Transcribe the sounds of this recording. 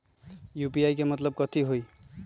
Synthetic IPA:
jupiajkemʌt̪ləb̚kʌt̪ʰiɦoj

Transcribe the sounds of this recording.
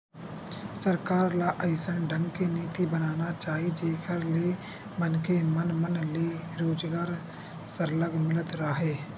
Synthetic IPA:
səɾkaːɾlaʔəɪsənɖʱə̃ŋɡkeniːt̪ibənaːnat͡ʃaːɦid͡ʒeːkʰəɾle | bənkemənmənleɾoːd͡ʒɡaːɾ | səɾləɡmɪlət̪ɾaːɦeː

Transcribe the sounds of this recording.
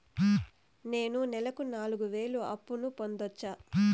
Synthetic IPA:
ne̞ːnunɛlɐkunaːluɡuʋe̞ːluɐpːunupo̞nd̪ot͡ʃːaː

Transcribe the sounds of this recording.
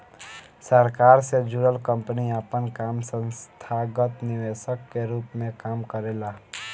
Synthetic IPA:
səɾkaɾsed͡ʒuɾəlkəmpniəpənkamsə̃nst̪ʰaɡət̪niʋesəkːeɾuːpmẽkaːmkəɾela

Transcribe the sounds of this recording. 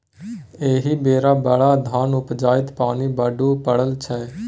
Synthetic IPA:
eːɦiːbeːɾaːbəɭaːd̪ʱaːnʊpd͡ʒaːɪt̪paːniːbaːɖuːpəɽəlt͡ʃʰɛː

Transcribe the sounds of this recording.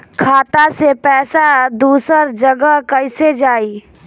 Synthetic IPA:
kʰaːt̪asepɛːsad̪uːsəɾd͡ʒəɡəkəɪsed͡ʒaːi

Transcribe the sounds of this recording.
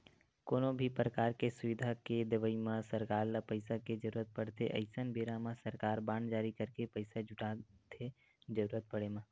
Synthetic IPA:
koːnõbʱipɾəkaːɾkesʊʋɪd̪ʱaked̪ɪʋəimãsəɾkaːɾlapəɪsaked͡ʒəɾuːɾət̪̚pəɽ̤t̪ʰeʔɐ̰ɪsənbeːɾãmãsəɾkaːɾbãːɳd͡ʒaːɾikəɾkepəɪsad͡ʒʊʈat̪ʰe | d͡ʒəɾuːɾət̪̚pəɽemã

